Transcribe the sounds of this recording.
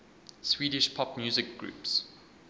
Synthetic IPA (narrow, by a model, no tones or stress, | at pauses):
swiːɾɪʃpʰɔpmjuːzɪk̚ɡ̥ɹṵːps